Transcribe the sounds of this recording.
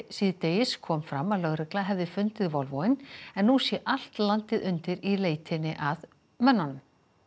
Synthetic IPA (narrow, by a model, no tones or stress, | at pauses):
siðt̪ejɪskʰɔːmfɾa̰mːaðlœɣɾɪklaɦɛvðɪfʏnt̪ɪðvɔlvɔɪnɛnːusjɛʔal̥t̪lant̪ɪðʏnt̪ɪɾileːjt̪ʰɪnːɪʔað | mœnːanʏm